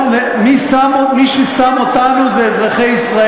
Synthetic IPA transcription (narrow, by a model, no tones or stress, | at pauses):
le | misam | miʃesamot̪anuzeːzʁeχejisʁa